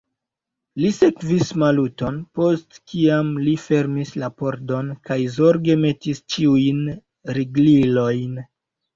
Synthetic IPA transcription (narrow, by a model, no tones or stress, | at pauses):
lise̞kvismaluto̞npo̞stkiamlife̞ɾmislapo̞ɾdo̞nkajzoɾɡe̞me̞tist͡ʃiujn | ɾiɡlilo̞jn